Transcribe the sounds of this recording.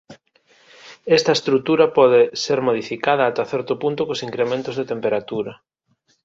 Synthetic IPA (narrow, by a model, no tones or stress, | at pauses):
est̪ɐest̪ɾut̪uɾɐpɔð̞ɪseɾmoð̞ifikað̞ɐːt̪aθɛɾt̪ʊpunt̪ʊkosiŋkɾemẽnt̪ʊzðet̪empeɾat̪uɾɐ